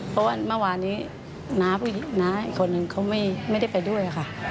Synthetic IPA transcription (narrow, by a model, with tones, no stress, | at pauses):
pʰɔ˦˥waː˥˩˨ma˧˥˩waː˧niː˦˥ | naː˦˥mpʰuː˥˩ji˨˩˦ŋnaː˦˥i˨˧˩kʰːo˧nːɯ˨˧ŋkʰa˦˥wma˥˩jma˥˩jda˥˩jpa˧jdu˥˩əjʔa˨˩kʰa˥˩